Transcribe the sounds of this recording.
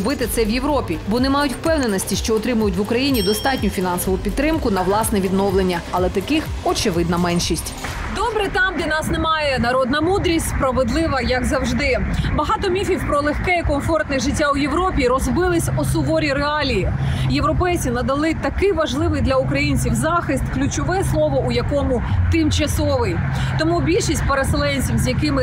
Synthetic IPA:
bɪt̪ɪt̪sɛwjeʋɾɔpʲibɔnɛmɑjʊtʲwpɛwnenɔsʲtʲiʃt͡ʃɔːt̪ɾɪmʊjʊtʲʋʊkɾɐjinʲid̪ɔst̪ɑtʲnʲʊfʲinɑnsɔʋʊpʲidt̪t̪ːɾɪmkʊnɐʋlˠɑsnɛʋʲid̪nɔwlˠenʲːɐɐlˠɛt̪ɐkɪx | ɔt͡ʃɪʋɪd̪nɐmɛnʃisʲtʲ | d̪ɔbɾɛt̪ɑmd̪ɛnɑsnemɑjɛnɐɾɔd̪nɐmud̪ɾʲisʲtʲspɾɐʋɪd̪lˠɪʋɐjɐkzɐwʒd̪ɪbɐɦɑt̪ɔmʲifʲiwpɾɔlˠexkɛikɔmfɔrt̪nɪʒɪtʲːawjeʋɾɔpʲiɾɔzbɪlˠɪsʲɔsʊʋɔɾʲiɾeɑlʲijijewɾɔpɛjt͡sʲinɐd̪ɐlˠɪt̪ɐkɪʋɐʒlˠɪʋɪjd̪lʲɐʊkɾɐjinʲt͡sʲiwzɑxɪst̪klʲʊt͡ʃɔʋɛslˠɔʋɔʔujɐkɔmʊt̪ɪmt͡ʃɐsɔʋɪj | t̪ɔmubʲilʲʃisʲtʲpeɾeselˠɛnʲt͡sʲiwzjɐkɪmɪ

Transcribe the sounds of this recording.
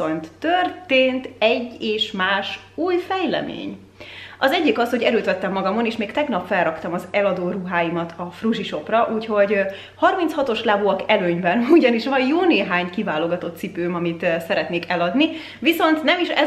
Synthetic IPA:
ont̪ːørt̪eːnt̪ɛɟːeːʃmaːʃ | uːjfɛjlɛ̰mḛːɲ | ʔɒzɛɟːikɒsho̞ɟɛɾøːt̪ʋɛt̪ːɛmːɒɡɒmo̞neːʃmeːkt̪ɛɡnɒpfɛlrɒkt̪ɒmɒzɛlɒd̪oːruɦaːjimɒt̪ʰɒfruʒiʃo̞prɒʔuːcho̞ɟ | hɒrmintshɒt̪o̞ʃlaːbuɒkɛløːɲbɛnuɟɒniʃʋɒjjoːneːɦaːɲkivaːlo̞ɡɒt̪o̞t̪sipøːmɒmit̪sɛɾɛt̪neːkɛlɒd̪ni | viso̞nt̪nɛmiʃɛ

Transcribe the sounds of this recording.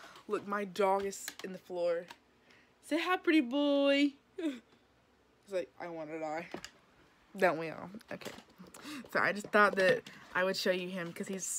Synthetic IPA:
lʊk̚maɪdɔɡɨzɨ̃nðɨflɔɹ | seɦaʊpʰɹ̥ɪɾibɔ | izlaɪk̚a̰ɪwɑ̃nɨdaɪ | dõʊ̃nwiɔ̰lˠoʊkʰḛɪsoʊʔa̰ɪd͡ʒʌs̚θɔt̪̚ðɨɾʔaɪwɨd̥ʃoʊjɨɪ̃mkʰʌz̥iz̥

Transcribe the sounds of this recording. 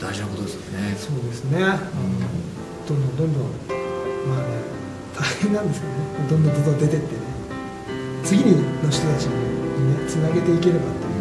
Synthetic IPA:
d̪̥aiʑinako̞t̪od̪esɨjoneso̞ːd̪e̞sɨne̞ano | d̪̥õnd̪õ̞nd̪õnd̪õŋmaːne | t̪ʰahẽ̞nːãnd̪e̞sɨ̥ked̪onemod̪õnd̪õnd̪od̪od̪e̞t̪e̞t̪ːe̞ne | t͡sɨɡʲiɲ̟inoɕ̬iɨ̥t̪o̞t̪at͡ɕionenet͡sɨnaɡe̞t̪e̞ike̞ɾe̞bat̪ːo

